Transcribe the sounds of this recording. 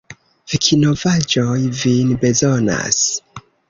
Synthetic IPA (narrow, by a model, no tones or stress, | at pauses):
v̥ikʰino̞vad͡ʒojvinbe̞zona̰s